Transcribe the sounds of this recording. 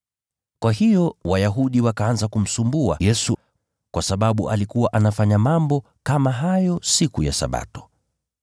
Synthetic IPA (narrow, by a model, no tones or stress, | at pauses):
kwaɦijɔwajaɦuɗiwakaanzakum̩sumbua̰jɛsu | kwasaɓaɓuʔalikuwaʔanafaɲamambɔ | kamaɦajɔsikuja̰sa̰ɓa̰tɔ̥